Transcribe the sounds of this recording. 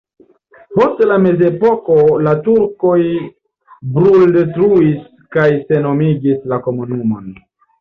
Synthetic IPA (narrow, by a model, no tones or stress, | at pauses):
po̞stlame̞ze̞po̞ko̞latuɾko̞j | bɾuldetɾuis | kajse̞no̞miɡislako̞munumo̞̰n